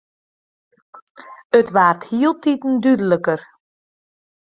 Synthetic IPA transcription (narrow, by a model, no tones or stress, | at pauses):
ətʋaːrthiəlˠtitn̩dydələkər